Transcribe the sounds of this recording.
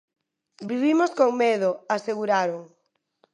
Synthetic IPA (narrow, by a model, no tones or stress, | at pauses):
biβimoskoŋmeðoaseɣuɾaɾoŋ